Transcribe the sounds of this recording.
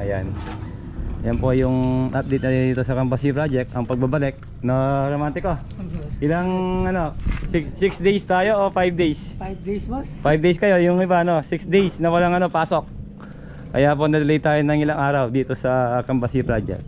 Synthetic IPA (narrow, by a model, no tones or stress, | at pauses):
ʔɐja̰n | jɐnpojʊŋʔap̚d̪ejt̪nɐd̪d̪iːt̪osɐkɐmbɐsipɾad͡ʒɛk̚t̪ɐŋpɐɡ̚babɐlɛk̚ | noɾomant̪ɪko | ʔɪlaŋʔɐno̞ksɪksd̪ejst̪aːjo̞ʔofajb̚d̪ejs | fajb̚d̪ejskɐjo̞jʊŋɪbaɐno̞sɪksd̪ejsnɐwɐlaŋɐno̞paːso̞k̚ː | ɐ̰japo̞nɐd̪ɐlɐjt̪aːjonɐŋɪlaŋʔaːɾɐwd̪iːt̪o̞sɐkɐmbɐsipɾad͡ʒɛ̰k̚t̪